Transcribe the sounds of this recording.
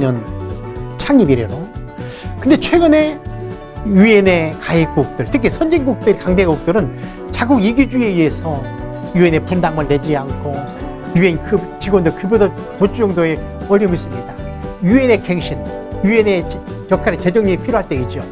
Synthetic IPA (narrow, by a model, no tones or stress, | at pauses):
ɲʌn | t͡ɕʰaŋibiɾe̞ɾo | kɯnde̞t͡ɕʰwe̞ɡɯne̞ | jue̞ne̞kaik̚k͈uk̚t͈ɯɭtʰɯkʰesʰʌnd͡ʑiŋɡuk̚t͈ɯɾikaŋdeɡuk̚t͈ɯɾɯn | t͡ɕaɡuɡiɡid͡ʑue̞ie̞sʰʌ | jue̞ne̞pondaŋmɯɭːe̞d͡ʑiaŋkʰo | jue̞nkʰɯt͡ɕiɡwʌndɯɭkʰɯbodʌ | pot͡ɕ͈ujʌŋdoe̞ | ʌɾːimuis͈ɯmɲida | jue̞ne̞keŋɕʰin | juene̞ | kjʌk͈ʰaɾet͡ɕe̞d͡ʑʌŋɲiipʰiɾjoɦaɭt͈e̞it̚t͡ɕ͈o